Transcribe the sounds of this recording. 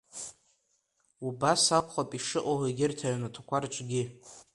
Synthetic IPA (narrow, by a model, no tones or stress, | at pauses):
ubasakʷʰχapʼiʂɨʔʼoheɡʲɪrtʰajanatʰakʷʰart͡ʃʷʼɡʲɪ